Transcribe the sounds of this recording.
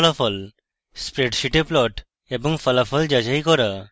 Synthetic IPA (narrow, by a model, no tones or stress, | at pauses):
lafɔl | spɾeʈʃiʈeplɔʈ | eboŋfəlafʰɔld͡ʒəd͡ʑajkɔɾa